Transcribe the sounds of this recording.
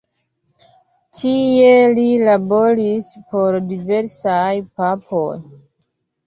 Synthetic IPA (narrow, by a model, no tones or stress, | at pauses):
tʰie̞lilabo̞ɾispo̞ɾdive̞ɾsajpapoj